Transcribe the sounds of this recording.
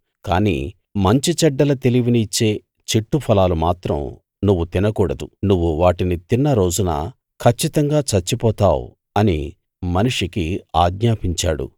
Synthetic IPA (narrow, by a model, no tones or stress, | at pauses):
kaːnḭː | mɐɲt͡ʃit͡ʃɛɖːɐlɐt̪e̞liʋiniːt͡ʃːe̞ː | t͡ʃiʈːupʰɐlaːlumaːt̪ɾɐ̰m | nuʋːut̪inɐkuːɽɐd̪unuʋːuʋaːʈinit̪inːɐɾo̞ːd͡ʒunɐ̰ | kʰɐt͡ʃːit̪ɐŋɡaːt͡ʃɐt͡ʃːipɔːt̪aːwṵ | ɐnḭ | mɐnuʂikiaːɡɲaːpiɲt͡ʃaːɽṵ